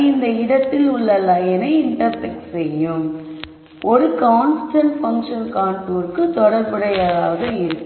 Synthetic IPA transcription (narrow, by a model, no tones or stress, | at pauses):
ɪnd̪ɐɪɽɐt̪ːɪlʊɭːɐlːaɛnɐɪɪɳʈɐɾtɛkʈsɛjːɯm | ʔɔɾɯkaːnsʈɐɳʈfɐŋkʂɐnkaːɳʈuːɾkɯt̪ɔɽɐɾpɪɽɐjɐðaːʋɐðɐɪɾɯkː